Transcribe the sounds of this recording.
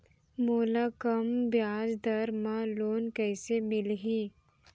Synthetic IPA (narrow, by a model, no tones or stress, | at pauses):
moːlakɐmbjaːd͡ʒd̪ɐɾmãloːnkɛːsemɪlɦiː